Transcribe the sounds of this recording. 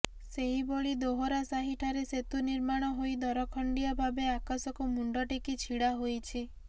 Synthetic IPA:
seɦiboɭid̪oɦɔɾasaɦiʈʰaɾeset̪uniɾmaɽ̃ɔɦojd̪ɔɾɔkʰɔɳɖijɔbʱabeakasɔkumuɳɖɔʈekit͡ʃʰiɽaɦojt͡ʃʰi

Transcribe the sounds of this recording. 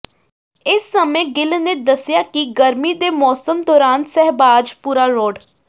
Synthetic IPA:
ɪsːəmẽːɡɪlnẽːd̪əsjaːkiɡəɾmiːd̪eːmɔːsəmd̪ɔːɾaːnsɛɦbaːd͡ʒpuːɾaːɾoːɖ

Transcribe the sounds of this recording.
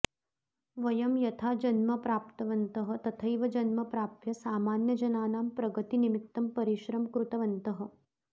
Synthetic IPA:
ʋɐjɐmjɐt̪ʰaːd͡ʒɐnmɐpɾaːpt̪ɐʋɐnt̪ɐɦɐ̆t̪ɐt̪ʰɐjʋɐd͡ʒɐnmɐpɾaːp̚jɐsaːmaːnjɐd͡ʒɐnaːnaːmpɾɐɡɐt̪inimit̪ːɐmpɐɾiʃɾɐmkɾut̪ɐʋɐnt̪ɐɦɐ̆

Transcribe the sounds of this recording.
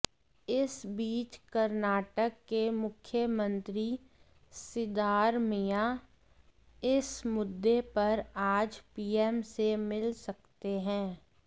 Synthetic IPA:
ɪsbiːt͡ʃkəɾnaːʈəkːemʊkʰjəmə̃nt̪ɾi | sɪd̪aːɾmija | ɪsmʊd̪ːepɐɾaːd͡ʒpiːɛːmsemɪlsɐk̚t̪eɦɛ̃ː

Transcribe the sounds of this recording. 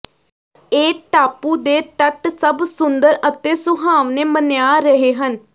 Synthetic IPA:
eːʈaːpuːd̪eːʈəʈsəbsʊnd̪əɾət̪eːsʊɦaːʋneːmənejaːɾəɦeːɦən

